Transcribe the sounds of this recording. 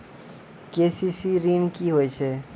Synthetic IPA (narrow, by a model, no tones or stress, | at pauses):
kesisiɾinkiɦoːjt͡ʃʰe